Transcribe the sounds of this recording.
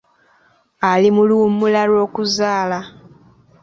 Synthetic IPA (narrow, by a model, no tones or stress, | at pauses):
alimulumulalwo̞ːkuzaːla